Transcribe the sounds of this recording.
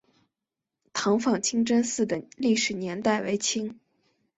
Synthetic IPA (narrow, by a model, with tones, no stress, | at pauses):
t̪ʰɑ˧˥ŋfɑ˥˩ŋt͡ɕʰi˥ŋʈ͡ʂə˥nsɹ̩˥˩d̪ə˩li˥˩ʂɻ̩˨˩njɛ˧˥nt̪a˥˩ɪwe˧˥ɪt͡ɕʰi˥ŋ